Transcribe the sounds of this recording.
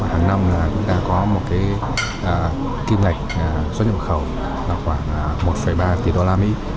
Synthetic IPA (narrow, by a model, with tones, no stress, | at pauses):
haː˨˩ŋna˧mlaː˨˩t͡ɕʊ˨˦ŋ͡mt̪aː˧kɔ˨˦mo˨˩t̚kaː˨˦j | ʔəː˨˩ | ki˧mŋa˨˩jk̟̚ə˨˩zt̚ɲə̰˧˨xə˧˩w | laː˨˩xwaː˧˩ŋʔmo˨˩t̚fə˧˩jɓaː˧t̪i˨˩ɗo˧laː˧mḭ˧˥